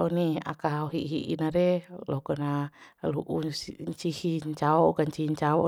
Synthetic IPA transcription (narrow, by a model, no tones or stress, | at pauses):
ʔɔnia̰kaɦaoɦiʔɦḭʔḭnaɾɛlɔkɔnaaluʔuɲt͡ʃihiɲt͡ʃaɔkaɲt͡ʃiiɲt͡ʃaɔ